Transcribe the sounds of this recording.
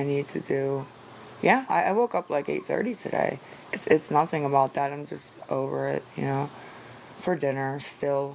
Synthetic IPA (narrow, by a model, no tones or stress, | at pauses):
aɪnid̚tʰɨ̰dʉ | jæaɪʔaɪwoʊkʌplaɪkḛɪt̪̚θɜ̰˞ɾitʰɨ̰dḛɪɨtsɨtsnʌθɪ̃ŋəbaʊt̪̚ðəɾãɪ̃md͡ʒʌstʔo̰ʊvə̰˞ɪ̰t̚jɨ̰noʊ | fə˞dɪ̃nə˞stɪlˠ